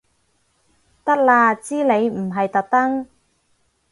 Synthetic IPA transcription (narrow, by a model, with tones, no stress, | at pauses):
t̪ɐ˥k̚laː˧t͡siː˥le˨˧jm̩˨˩ɦɐ˨jt̪ɐ˨k̚t̪ɐ˥ŋ